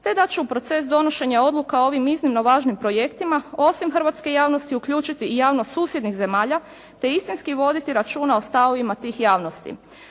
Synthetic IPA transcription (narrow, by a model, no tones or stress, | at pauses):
t̪e̞d̪at͡ɕuupɾo̞t̪se̞sd̪o̞noʃe̞ɲao̞d̪lukao̞ʋimiznimno̞ʋaːʒnimpɾo̞je̞kt̪imao̞simxr̩ʋaːt̪skejaːʋno̞st̪iukʎuːt͡ʃit̪ijaːʋnosuːsje̞d̪nixze̞maːʎa | t̪e̞ist̪inskiʋo̞d̪it̪iɾat͡ʃuːnaost̪aʋoʋimat̪iːxjaːʋno̞st̪ḭ